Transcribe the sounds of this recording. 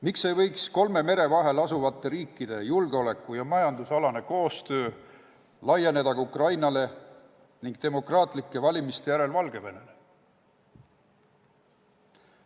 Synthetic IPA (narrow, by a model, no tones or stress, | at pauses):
mikse̞jvɤ̞jksko̞lme̞me̞ɾe̞vɑɦe̞lɑsuvɑt̪ˑːe̞ɾiːkːˑid̪̥e̞julɡ̥eo̞le̞kːˑujɑmɑjɑnd̪usɑlɑne̞ko̞ːst̪ø̞ː | lɑje̞ne̞d̪ɑɡɑukrɑjnɑle̞ | niŋɡ̥t̪e̞mo̞krɑːt̪ˑlikːˑe̞vɑlʲimist̪e̞jæɾe̞lvɑlɡ̥e̞ve̞ne̞le